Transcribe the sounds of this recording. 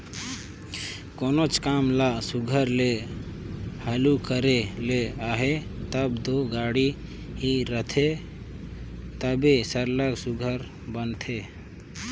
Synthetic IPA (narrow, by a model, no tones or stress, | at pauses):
koːnot͡ʃkaːmlasʊɡʱəɾle | həlukəɾeleaːɦet̪əbd̪oɡaːɽi | ɦiɾət̪ʰe | t̪əbesəɾləksʊɡʱəɾ | bənt̪ʰe